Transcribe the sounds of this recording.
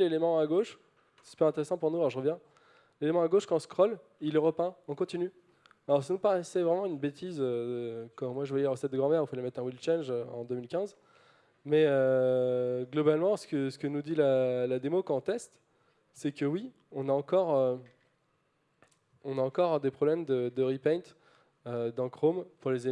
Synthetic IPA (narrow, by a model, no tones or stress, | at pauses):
lelemɑ̃aɡoʃ | sspyʁɛ̃t̪eʁesɑ̃puʁnualɔʁʒəʁəvjɛ̃ | lelemɑ̃aɡoʃkɑ̃skχɔl | ilɛʁəpɛ̃ɔ̃kɔ̃t̪iny | alɔʁs̬anupaʁɛsɛvʁɛmɑ̃ynbet̪ʰizøkɑ̃mwaʒəvwajɛlʁəsɛt̪̚d̪əɡʁɑ̃mɛʁĩfalɛmɛt̪χɛ̃wilt͡ʃɛnʒøɑ̰̃d̪əmilkʲɛ̃z | mɛø | ɡlɔbalmɑ̃sə̥kəsə̥kənud̪ilalad̪emokɑ̃ɔ̃t̪ɛst̪ | sɛkəwi | ɔ̃naɑ̃kɔʁø | ɔ̃naɑ̃kɔʁd̪epχɔblɛmd̪əd̪əʁipɛ̃t̪ | ød̪ɑ̃kχompuʁleze